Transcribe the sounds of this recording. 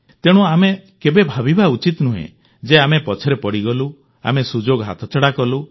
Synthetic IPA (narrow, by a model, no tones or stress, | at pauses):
t̪eɽ̃uamekebebʱabibaut͡ʃit̪nuɦḛ̃ | d͡ʒeamepɔt͡ʃʰɔɾepɔɽiɡɔlu | a̰mesud͡ʒoɡɦa̰t̪ʰɔt͡ʃɔɽakɔlu